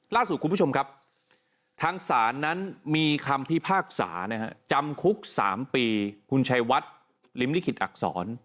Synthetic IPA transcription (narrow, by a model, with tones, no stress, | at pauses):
laː˥˩su˨˩t̪̚ku˧mpu˥˩o˧mkʰa˦˥p̚ | t̪ʰaː˧ŋsaː˩˦nːa˦˥nmiː˧kʰa˧mpʰi˦˥pʰaː˥˩k̚sa̰ː˩˦na˦˥kʰa̰˦˥t͡ɕa˧mkʰu˦˥k̚sa̰ː˩˦mpiː˧kʰu˧nt͡ɕʰa˧jwa˦˥t̪̚ | li˦˥mli˦˥˩kʰi˨˩t̪̚ʔa̰˨˩k̚sɔ̰ː˩˦n